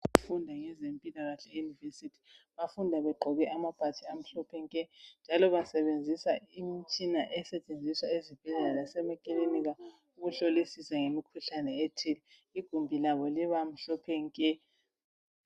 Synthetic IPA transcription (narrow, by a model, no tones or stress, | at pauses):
ɣufundʱaŋɛzempʼilaɣaɬɛejunivesitʰi̥βafundʱaβɛɡ͡ǃʱɔɣɛʔamapʰʼatʰiam̩ɬɔpʰɛŋkʼɛnd͡ʒʱalɔβasɛβend͡zʱisaimit͡ʃʼinaʔɛsɛt͡ʃʼend͡zʱiswaezib̥ʱɛɮɛlalasɛmɛkʼileniɣa | uɣuɬolisisɛŋemikʰuɬanɛetʰili | iɡ̥ʱumbʱilaβɔliβam̩ɬɔpʰɛŋkʼɛ